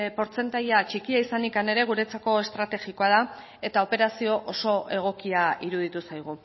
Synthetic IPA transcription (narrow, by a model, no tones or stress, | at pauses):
po̞ɾt͡se̞nt̪aʎat͡ʃikiaisanikane̞ɾe̞ɣ̞uɾe̞t͡sako̞e̞st̪ɾat̪e̞ɣiko̞að̞a | e̞t̪ao̞pe̞ɾasio̞ʔoso̞ʔe̞ɣ̞o̞kiaiɾuð̞it̪usajɣ̞u